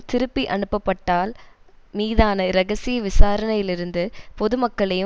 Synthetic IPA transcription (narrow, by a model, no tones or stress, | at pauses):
t̪ɪɾɯpːiʔɐɳɯpːɐpːɐʈːaːl | miːðaːnɐɾɐɣɐsɪjɐʋɪsaːɾɐnɐjɪlɪɾɯnd̪ɯpɔðɯmɐkːɐɭɐjɯ